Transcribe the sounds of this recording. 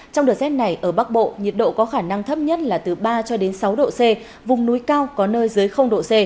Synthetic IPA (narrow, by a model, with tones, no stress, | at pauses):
t͡ɕɔ˧wŋ͡mɗɨ˨˩t̚sɛ˦˥t̚na˨˩jʔəː˧˩ɓa˦˥k̚ɓo̰˧˨ɲi˨˩t̚ɗo̰˧˨kɔ˨˦xaː˧˩na˧ŋt̪ʰə˦˥p̚ɲə˦˥t̚laː˨˩t̪ɨ˨˩ɓaː˧t͡ɕɔ˧ɗe˨˦nsa˨˦wɗo̰˧˨se˧ | vʊ˨˩ŋ͡mnu˨˦jkaː˧wkɔ˨˦nəː˧jzɨ˨˦əjxə˧wŋ͡mɗo̰˧˨se˧